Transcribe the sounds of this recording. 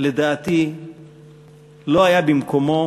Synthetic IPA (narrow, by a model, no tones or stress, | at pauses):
le̞d̪aːt̪i | lo̞ɦajabimko̞mo